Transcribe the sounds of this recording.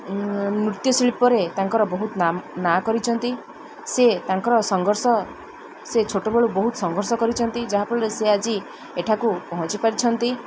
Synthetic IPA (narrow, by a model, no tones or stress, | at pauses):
mɾut̪jɔsiɭipɔɾet̪aŋkɔɾɔbɔɦut̪nanakɔɾit͡ʃʰɔnt̪i | set̪aŋkɔɾɔsɔŋɡʱɔɾsɔ | set͡ʃʰoʈobeɭubɔɦut̪ɔsɔŋɡʱɔɾsɔkɔɾit͡ʃʰɔnt̪id͡ʒaɦapɔɭlesead͡ʒi | eʈʰakupɔɦɔ̃t͡ʃipaɾit͡ʃʰɔnt̪i